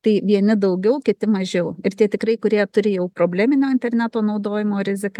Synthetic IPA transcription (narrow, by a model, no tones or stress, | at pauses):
t̪ɐɪʋʲiɛnʲɪd̪ɐʊɡʲɛʊkʲɪt̪ʲɪmɐʒʲɛʊɪrt̪ʲiɛt̪ʲɪkɾɐɪkʊɾʲiɛt̪ʊɾʲɪjɛʊpɾoːbʲlʲæːmʲɪnʲoːɪnʲt̪ʲɛrʲnʲæːt̪oːnɐʊd̪oːjɪmoːɾʲɪzʲɪk